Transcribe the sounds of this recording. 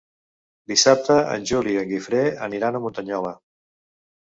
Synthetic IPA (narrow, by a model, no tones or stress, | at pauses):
d̪isap̚t̪əə̰nʲʒuliəŋɡifɾeə̰niɾanəmunt̪əɲɔlə